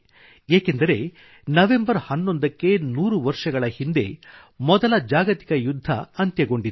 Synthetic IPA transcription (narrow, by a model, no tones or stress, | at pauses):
eːkend̪ɐɾe̞ | nɐʋe̞mbɐɾhɐnːo̞nd̪ɐkːe̞nuːɾuʋɐɾʂɐɡɐɭɐhind̪e | mɔd̪ɐlɐd͡ʒaːɡɐt̪i̥kɐjud̪ʱːɐ̰ɐnt̪jɐɡo̞ɳɖid̪